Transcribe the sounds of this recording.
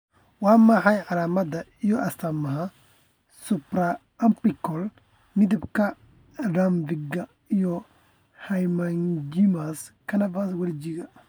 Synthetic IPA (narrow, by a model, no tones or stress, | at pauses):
wɑːmɐħɑjʕɑlaːmɐd̪ɐijɔʔɐst̪ɐmɐɦɐ | sʊpɾɐ | ɐmpɪkɔl | mɪd̪ɪbkʰɐ | dambɪɡɐ | ijɔ | hɐjmand͡ʒɪmaskʰɐnɐbaswɐlɪd͡ʒɪɣɐ